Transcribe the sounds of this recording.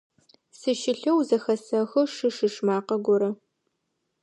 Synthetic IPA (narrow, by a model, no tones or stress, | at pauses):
sɨʃɪɬɐwzɐxɐsɐxɨʂɨʂɨʂmaːqɐɡʷɔɾɐ